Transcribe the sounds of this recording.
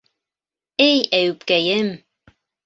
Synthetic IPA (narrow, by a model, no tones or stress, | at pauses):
ejæwp̚kæjɘm